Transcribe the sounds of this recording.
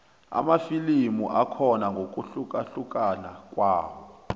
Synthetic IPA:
a̰mafilimuʔakʰɔnaŋɡʱok̬ʼuɬukaɬuk̬ʼanak̬ʼwaːwɔ

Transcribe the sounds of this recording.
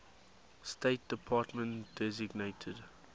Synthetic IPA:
steɪt̚d̥əpʰɑːtmə̃nd̥ɛzɪɡneɪtʰəd

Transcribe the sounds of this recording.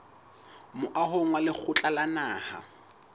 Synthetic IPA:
mʊʔaɦʊŋwalɪk͡xʰʊt͡ɬʼalanaːha̰

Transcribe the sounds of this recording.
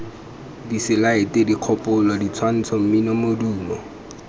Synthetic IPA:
disɪlaɪtʼediq͡χʰɔpʼʊlɔdit͡sʰwan̩t͡sʰɔm̩minɔmoduːmɔ

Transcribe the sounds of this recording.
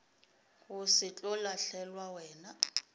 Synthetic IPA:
kʊsɪt͡ɬʼɔlaɬɛlwawɛːna

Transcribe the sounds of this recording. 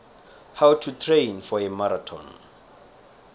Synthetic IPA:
hawtʰutʰrẽjnfɔɛmaɾatʰɔ̰n

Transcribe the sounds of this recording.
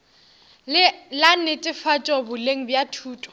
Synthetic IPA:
lannɪtʼɪfat͡ʃʼɔbʊleŋ̩bjatʰuːtʼɔ̥

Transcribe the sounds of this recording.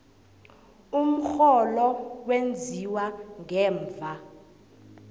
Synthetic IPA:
um̩xɔlɔk̬wend͡zʱiwaŋɛːɱvʱa

